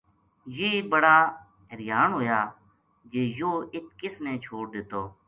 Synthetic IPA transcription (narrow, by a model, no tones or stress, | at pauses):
jeːbəɽaː | ɦəɾɪjaːnɦoːjaː | d͡ʒeːjoːɪt̪̚ʰkɪsnẽːt͡ʃʰoːɽd̪ɪt̪oː